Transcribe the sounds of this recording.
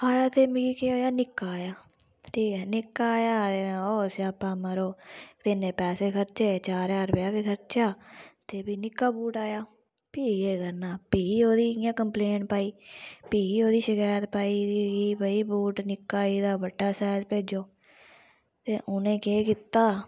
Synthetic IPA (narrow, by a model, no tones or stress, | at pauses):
aːjaːt̪eːmːɡiːkeːoːjaːnɪkːaːjaː | ʈʰiːkɛːnɪkːaːjaːẽːoːsapːãːməɾoːt̪ɪnẽːpɛːseːkʰəɾt͡ʃeːt͡ʃaːɾaːɾbjaːbiːkʰəɾt͡ʃaːt̪eːpiːnɪkːaːbuːʈaːjaː | piːɡeːkəɾnaːpiːoːd̪iːjãːkəmpleːnpaːiːpiːoːd̪iːʃɪkaːjət̪paːiːd̪iːɡiːbəiːbuːʈnɪkːaːiːd̪aːbəɖːaːsɛːd͡ʒpeːd͡ʒoː | t̪eːʔʊnẽːkeːkit̪ːaː